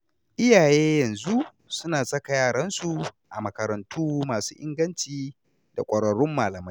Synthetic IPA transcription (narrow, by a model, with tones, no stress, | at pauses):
ʔɪ˦jaː˨jeː˦jɐ˨nzu˦ʔ | sʊ˦naː˨sɐ˦ka˨jaː˦˨ɽɐ˦nsu˨ | ʔa˨mɐ˨kɐ˨ɾɐ˨ntʰuː˦maː˨su̥ː˦ʔɪ̰˦ŋɡɐ˦nt͡ʃiː˨ | da̰˨kʷʼɐ˨ɽɐ˨ɽʊ˦mːaː˨lɐ˨mɐ˦j